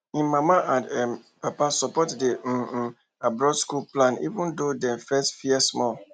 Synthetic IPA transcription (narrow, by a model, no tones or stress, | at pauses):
ĩnmãmaʔãndɛm | papasɔpɔtde | abɾɔdskulplãnḭvũndodɛ̃mfɛstfiɛsmɔl